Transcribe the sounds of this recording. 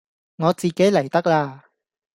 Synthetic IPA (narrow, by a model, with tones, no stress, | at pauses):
ŋɔː˨˧t͡siː˨ke˨˥jlɐ˨˩jt̪ɐ˥k̚laː˧